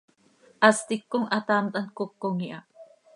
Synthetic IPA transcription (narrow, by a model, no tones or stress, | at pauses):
ʔast̪ikːoŋat̪amt̪ʼankokːoŋiʔa